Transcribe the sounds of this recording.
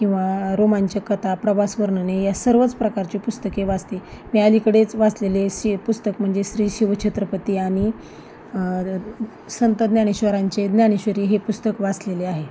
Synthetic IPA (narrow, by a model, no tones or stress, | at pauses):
kĩw̃ʋaɾomaɲt͡ɕakət̪apɾəbasʋəɾɳənejasəɾʋət͡spɾəkaɾt͡ɕepust̪əkeʋad͡zt̪emiːalikəɽet͡sʋaslelesipust̪əkm̤əɳd͡zeɕɾiːɕiʋət͡ɕʰet̪ɾəpət̪iːaɽ̃i | sənt̪əd̪njaɽ̃iɕʋəɾaɲt͡ɕed̪njañiɕʋəɾiːɦepust̪əkʋat͡sleleaɦe